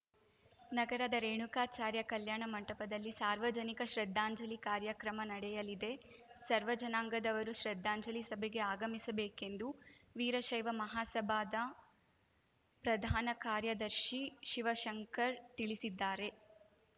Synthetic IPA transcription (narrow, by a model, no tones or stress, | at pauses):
nɐɡɐɾɐd̪ɐɾeːɳukaːt͡ʃaːɾjɐkɐljaːɳɐmɐɳʈɐpɐd̪ɐlːisaːɾʋɐd͡ʒɐnikɐʃɾed̪ʱːaːɲd͡ʒɐlikaːɾjɐkɾɐmɐnɐɽɛjɐlid̪e̞ | sɐɾʋɐd͡ʒɐnaːŋɡɐd̪ɐʋɐɾuʃɾed̪ʱːaːɲd͡ʒɐlisɐbʱeɡe̞aːɡɐmisɐbeːkend̪uʋiːɾɐʃɐjʋɐmɐɦaːsɐbʱaːd̪ɐ | pɾɐd̪ʱaːnɐkaːɾjɐd̪ɐɾʃiʃiʋɐʃɐŋkɐɾt̪iɭisid̪ːaːɾe̞